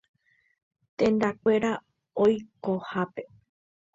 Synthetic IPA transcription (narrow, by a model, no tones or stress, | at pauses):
t̪ẽ̞nd̪akʷe̞ɾa | ojkohape̞